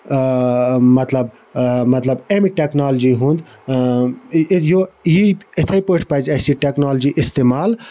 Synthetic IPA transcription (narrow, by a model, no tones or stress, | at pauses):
mɐt̪lɐb | mɐt̪lɐbemiʈeknaːld͡ʒiɦũnd̪ | jojiɪt̪ʰɐipəʈʰpɐzɐsiʈeknaːld͡ʒiʔɪst̪emaːl